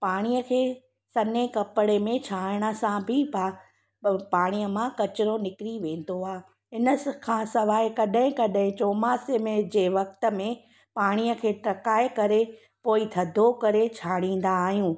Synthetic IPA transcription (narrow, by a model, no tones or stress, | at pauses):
paːɽ̃ijəkʰeː | sɐnekɐpɪɽemẽt͡ɕʰaːɪɽ̃ə̆sãbʱɪpa | paːɽ̃ijəmãkɐt͡ɕɪɾonɪkɪɾiʋẽːn̆d̪oaː | ɦɪnəkʰãːsɐʋaːekɐɗɦɪ̃kɐɗɦɪ̃t͡ɕoːmaːsemẽd͡ʑeːʋɐk̚t̪ə̆mẽ | paːɽ̃iəkʰeːʈɐkaːekɐɾe | poːit̪ʰɐd̪ʱokɐɾet͡ɕʰaːɽ̃ĩːn̆d̪aːɦijũː